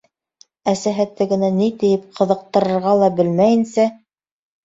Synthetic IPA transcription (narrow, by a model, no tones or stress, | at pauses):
æsæɦæt̪ːɘɡɘ̆nænit̪ɘ̆jɘp̚qʰɤ̆ðɤ̆q̚t̪ɤ̆ɾɤ̆ɾʁɑlˠɑbɘlmæjɘ̆nsæ